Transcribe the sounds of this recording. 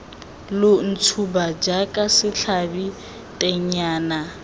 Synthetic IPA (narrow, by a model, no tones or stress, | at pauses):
lʊn̩t͡sʰubad͡ʒakʼasɪɬʰabi | tʼɛɲaːna